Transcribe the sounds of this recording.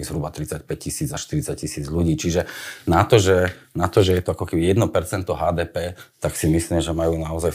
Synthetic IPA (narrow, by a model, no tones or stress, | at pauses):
izɦɾubat̪ɾit͡sac̚pɛc̚cisiːd͡zaʃt̪iɾit͡sac̚cisiːd͡zʎuɟiːt͡ʃiʒɛnat̪ɔʒɛnat̪ɔʒɛjɛt̪ɔakɔkɛbijɛd̪nɔpɛɾt͡sɛnt̪ɔɦaːd̪ɛːpɛːt̪aksimisliːmʒɛmajuːnaɔzaj